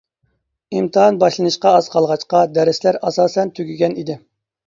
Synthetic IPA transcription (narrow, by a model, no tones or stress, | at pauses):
imt̪ʰɨɦɑnbɑʃlˠɨnɨʃqɑɑz̥qʰɑlˠʁɑt͡ʃqɑd̪ɛɾɪslæɾɑsɑːsɛnt̪ʰyɡʲiɡʲɛnid̪ɪ